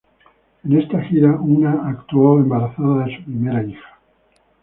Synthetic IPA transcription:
e̞ne̞st̪axiɾaʔunaʔakt̪uoe̞mbaɾaθaðaðesu̥pɾimeɾaixḁ

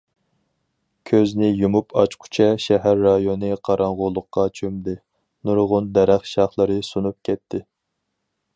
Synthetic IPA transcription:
kʲʰøznɪjumupʰɑt͡ʃqʰu̥t͡ʃʰɛʃɛɦæɾːɑjonɨqʰɑɾʔɑɴʁʊlˠːʊqːɑt͡ʃʰømd̪ɪ | nuɾʁʊnd̪ɛɾæχʃɑχlˠɨɾɨsunup̚kʲʰɛt̪ʰːɪ

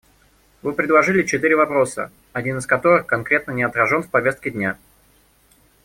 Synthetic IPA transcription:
vɨpɾʲɪd̪lˠɐʐɨlʲɪt͡ɕɪt̪ɨɾʲɪvɐpɾo̞sə̰ | ɐdʲinɨskɐt̪o̞ɾɨxkɐnkɾʲe̞t̪nənʲɪɐt̪ɾɐʐo̞nfpɐvʲest̪kʲɪdʲnʲa

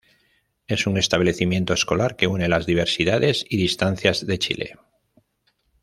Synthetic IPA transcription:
e̞suŋe̞st̪aβle̞θimje̞nt̪oesko̞laɾke̞une̞lazðiβ̞e̞ɾsiðaðe̞siðist̪anθjazðe̞t͡ʃḭle̞̰

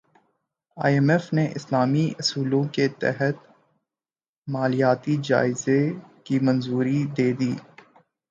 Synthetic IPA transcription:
a̰ːjɛmɛfneʔɪslaːmiʔɐsuːlõket̪ɛ̰ɦət̪ | maːlijaːt̪id͡ʒa̰ːɪzekimɐ̃nzuːɾid̪eːd̪iː

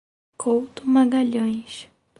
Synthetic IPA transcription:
kʰowt̪ʊmaɡaʎõj̃ʃ

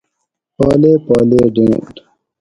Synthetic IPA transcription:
paːleːpaːleːɖẽŋʈ

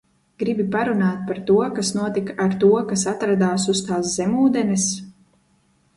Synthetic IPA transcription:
ɡ̥ɾibipaɾunaːt̪̚paɾt̪uɔkasnuɔt̪ikaaɾt̪uɔkasat̪ɾad̪aːsust̪aːs̬zɛmuːd̪ɛnɛs

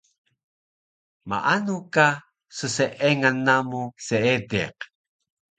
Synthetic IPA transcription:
ma̰ʔanuka | səseʔeŋanːamuseedeq

